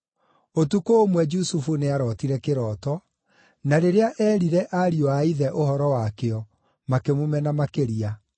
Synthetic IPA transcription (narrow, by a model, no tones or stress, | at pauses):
otukoːmwɛd͡ʒusufuneaɾɔtiɾɛkeɾɔːtɔ | naɾeɾeaʔɛɾiɾɛʔaɾiɔaiðɛʔoɦɔɾɔwakeɔ | makemomɛnamakeɾia